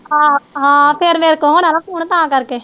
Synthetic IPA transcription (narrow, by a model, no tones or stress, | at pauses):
aːɦãːpeːɾmeːɾkːõnalãːpuːɳt̪ãːkɐɾke